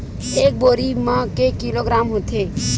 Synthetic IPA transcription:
ek̚boɾimãkekːiloɡɾamɦot̪ʰe

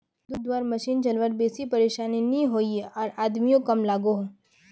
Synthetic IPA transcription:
d̪ʊd̪ʋaːɾmɐʃiːnt͡ʃɐlʋəɾbeːsipɐɾeːʃaːninĩɦoːieɔːɾaːd̪mijõkɐmlaːɡoɦ

